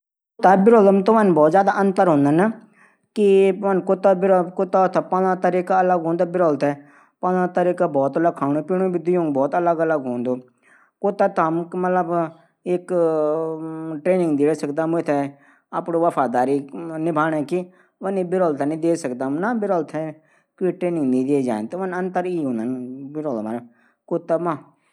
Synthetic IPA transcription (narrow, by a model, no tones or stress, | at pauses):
kot̪abɪɾɔːləmt̪oʋənbɔːt̪zjaːd̪aʔənt̪əɾɦõːnd̪ana | kiʋənkot̪ːabɪɾkʊt̪at̪ʰapããːt̪əɾiːkaələɡɦõːnd̪abɪɾɔːlt̪ɛː | pãlat̪əɾiːkaːbɔːt̪ələɡ̚kʰaːñũpiːɳ̃õbid̪ʊjõːŋɡbɔːt̪ələɡələɡɦõːnd̪oː | kot̪aːt̪əmmət̪ləb | ɪk | ʈɾeːnɪ̃ŋɡd̪eːɽsəkd̪aːmʊt̪ʰɛ | apɽoːʋəpʰaːd̪aːɾiːnɪbʱaːnɛ̃ːki | ʋəniːbɪɾɔːlt̪ʰɛnĩːd̪eːsəkd̪aːmnaːbɪɾɔːlt̪ʰɛː | kiːʈɾeːnɪ̃ŋɡnĩːd̪eːd͡ʒaːẽnt̪ːʋənənt̪əɾiːɦõːnanbɪɾɔːlman | koːt̪aːmãː